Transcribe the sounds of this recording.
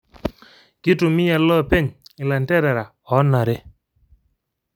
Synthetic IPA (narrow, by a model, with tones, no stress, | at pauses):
kɪ˦tʊ˨mɪ˦ja˨lɔ˦˨pe˦ɲɪ˨la˨ntɛ˦ɾɛ˨ɾa˨ | ɔ˨˦na˨ɾe˦